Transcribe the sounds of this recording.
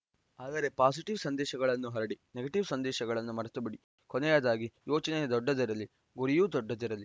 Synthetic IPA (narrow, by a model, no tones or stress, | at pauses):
aːd̪ɐɾe̞paːsiʈiʋsɐnd̪ɛːʃɐɡɐɭɐnːuɦɐɾɐɽineɡɐʈiʋsɐnd̪ɛːʃɐɡɐɭɐnːumɐɾɐt̪ɐbiɽi | kɔnɛjaːd̪aːɡijoːt͡ʃɐnejɐd̪ɔɖːɐd̪iɾɐlːi | ɡuɾijuːd̪ɔɖːɐd̪iɾɐlːi